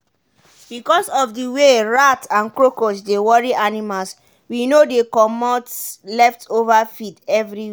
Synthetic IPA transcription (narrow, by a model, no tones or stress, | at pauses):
bikɔsɔfdiweɹatãnkɹokos̬dewɔɹiʔanimals | winodekɔmɔtlɛftʰovafitɛvɹi